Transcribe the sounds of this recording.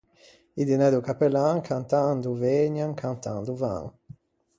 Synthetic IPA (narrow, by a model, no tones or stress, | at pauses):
id̪inɛd̪ukapelaŋkʰant̪and̪uveɲaŋkʰant̪a̰nd̪uva̰ŋ